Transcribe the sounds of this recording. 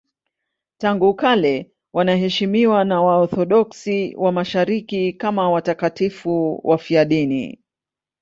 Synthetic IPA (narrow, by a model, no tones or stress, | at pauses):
taŋɡukalɛ | wanaɦɛʃimiwanawaɔθɔɗɔksiwʔamaʃaɾikikamawatakatifuwʔafiaɗinḭ